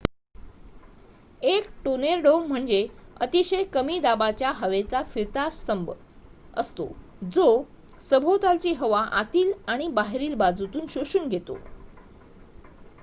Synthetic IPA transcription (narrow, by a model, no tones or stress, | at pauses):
ekʈoneɾɖomm̤əɳd͡zeət̪iɕəjkəmiːd̪abat͡ɕjaɦəʋet͡safiɾt̪asəmb | ə̰st̪o̰ | d͡zo | səbʱot̪alt͡ɕiːɦəʋaʔat̪iːlaɽ̃ibaɦeɾiːlbad͡zut̪uːnɕoɕuːnɡʱet̪o̰